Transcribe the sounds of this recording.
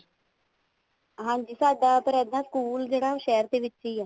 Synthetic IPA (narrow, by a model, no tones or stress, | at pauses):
ɦãːɲd͡ʒiːsaːɖaːp̪əɾɛːd̪ãːskuːld͡ʒeːɽaːʃɛːəɾd̪eːʋɪt͡ʃːt͡ʃiːɛː